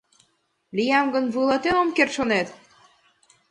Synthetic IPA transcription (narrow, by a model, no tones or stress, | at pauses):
lijɑmɡə̆nβɯlˠɑt̪enomkert̪ʃonet̪